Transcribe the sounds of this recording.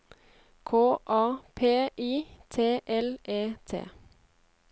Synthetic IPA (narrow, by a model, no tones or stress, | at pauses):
kʰoːʔɑːpʰeːʔiːt̪ʰeːʔɛlʔeːt̪ʰḛː